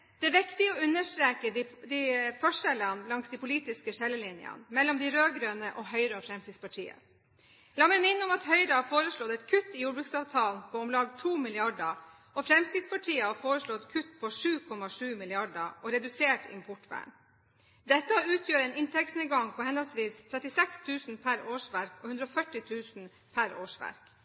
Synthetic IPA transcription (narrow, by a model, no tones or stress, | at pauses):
d̪̥ɛæːʋɪkt̪ɪɔʉnːəʂt̪ɾeːkəd̪ifœʂɛlənlɑŋsd̪ipʊliːt̪ɪskəʂɛlːəlɪnjə̰nmɛlːɔmd̪ɪɾøːɡɾøːnəʔɔɦœʏɾəɔfɾɛmsɪspɑʈʰḭːə̰ | lɑːmɛɪmɪnːəɔmɑt̪hœʏɾəhɑfoːɾəʂɭɔt̪ɛt̪kʰʉt̪ːɪjuːɾbɾʉksɑːʋt̪ʰɑːlpʰɔːɔmlɑːɡt̪ʰuːmɪlɪɑɖə | ɔfɾɛmskɪspɑʈʰiːəhɑfoːɾəʂɭɔt̪kʰʉt̪pʰɔʂʉːkʰɔmɑʂʉːmɪlɪɑɖəʔɔɾɛd̪ʉseːʈɪ̰mpʰɔʈʋæ̰ːɳ | d̪ɛt̪ːəʉːt̪ʰjøːɾəɛːnɪnt̪ʰɛksnəɡɑŋpʰɔhɛnəlsʋiːst̪ʰɾɛt̪ːɪsɛkst̪ʰʉːsnpʰæɾoːʂʋæɾkɔhʉnd̪ɾɔfœʈːɪt̪ʰʉːsn̩ | pʰæɾoːʂʋæ̰ɾk